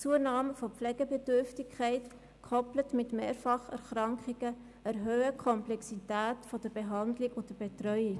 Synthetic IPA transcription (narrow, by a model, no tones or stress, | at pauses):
t͡suənɑːməfopflɛɡəbɛdʏɾftɪkʰχæɪt | kʰɔplətmɪtmeːɾfɑχɛ̰ɾxɾɑŋkχiɡə | əɾɦøːəkʰɔmplɛksitæːtfod̥əɾbeɦɑndlɪkʊd̥əb̥etrœʏi